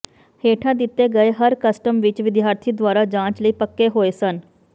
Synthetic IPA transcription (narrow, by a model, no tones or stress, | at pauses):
heːʈʰãːd̪ɪt̪ːeːɡəeɦəɾkəsʈəmʋɪt͡ʃʋɪd̪jaːɾt̪ʰiːd̪waːɾaːd͡ʒãːt͡ʃləiːpəkːeːɦoːeːsən